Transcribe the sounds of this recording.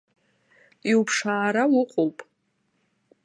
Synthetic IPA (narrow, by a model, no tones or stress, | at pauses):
iupʰʂaːɾawʊqʷʼowpʼ